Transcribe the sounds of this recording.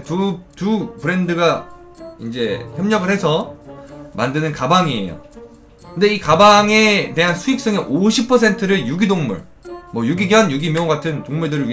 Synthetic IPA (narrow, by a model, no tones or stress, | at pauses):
tutupɯɾe̞ndɯɡa | ind͡ʑe̞çjʌmɲʌɡɯɭhe̞sʰʌ | ma̰ndɯnɯnkabaŋiḛjo̰ | kkʰɯnde̞ikabaŋe̞te̞ɦansʰuik̚s͈ɯŋeʔoɕʰipʰʌsʰe̞ntʰɯɾɯɭjuɡidoŋmṵɭ | mwʌjuɡiɡjʌnjuɡimjʌŋɡatʰɯntoŋmuɭdɯɾɯɭɥi